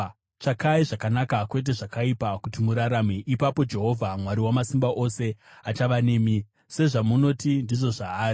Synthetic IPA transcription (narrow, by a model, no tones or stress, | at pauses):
t͡ʂakaiʐakanakakwe̞t̬e̞ʐakaipakutimuɾaɾameʔipapo̞d͡ʒe̞ɦo̞vʱamwaɾiwamasimbaʔo̞se̞at͡ʃaʋane̞ːmi | se̞ʐamuno̞tindiʐo̞ʐaːri